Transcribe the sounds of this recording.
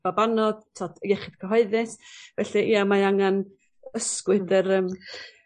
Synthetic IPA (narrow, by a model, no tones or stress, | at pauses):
abanɔd̥tʰɔd̥jɛχɪd̥kʰəɦɔɨðɪsvɛɬɛʔiamaaŋan | əskwɨdəɾəm